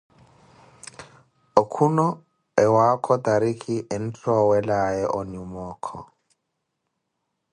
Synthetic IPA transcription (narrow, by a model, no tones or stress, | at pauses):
okʰunɔ | ɛwakʰɔtaɾikʰiʔɛn̩t͡ɬʰɔwɛlaɛʔɔnumɔːkʰɔ̰